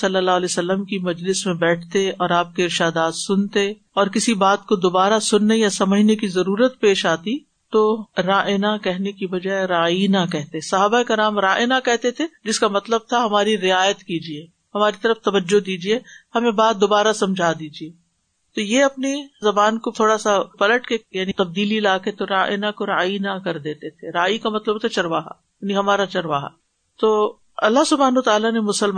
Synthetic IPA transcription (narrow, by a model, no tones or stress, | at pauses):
sɐlːəlːaːɦlesɐlːəmkimɐd͡ʒlɪsmẽbɛːʈʰt̪eɔːɾaːp̚keɪɾʃaːd̪aːt̪sʊnt̪e | ɔːɾkɪsibaːt̪kod̪obaːɾasʊnːejasɐməd͡ʒʱnekizɐɾuːɾət̪peːʃaːt̪i | t̪oːɾaːʔenakɛɦnekibɐd͡ʒaeɾaːinakɛɦt̪esɐɦaːbaeːkɐɾaːmɾaːʔenakɛɦt̪et̪ʰed͡ʒɪskamɐt̪ləb̚t̪ʰaɦɐmaːɾiɾɪaːjət̪kiːd͡ʒieː | hɐmaːɾit̪ɐɾəft̪ɐʋəd͡ʒːod̪iːd͡ʒiehɐmẽbaːt̪̚d̪obaːɾasɐ̃md͡ʒʱaːd̪iːd͡ʒieː | t̪ojeɐpnizɐbaːnkot̪ʰoːɽasapɐləʈkejaːnit̪ɐb̚d̪iːlilaːket̪oɾaːʔɪnakoɾaːinakɐɾd̪eːt̪et̪ʰeɾaːikamɐt̪ləb̚t̪ʰat͡ʃɐɾʋaːɦa̰ | jaːniɦɐmaːɾat͡ʃɐɾʋaːɦa̰ | t̪oː | ɐlːaɦsʊbʱaːnːt̪aːlanemʊsəlm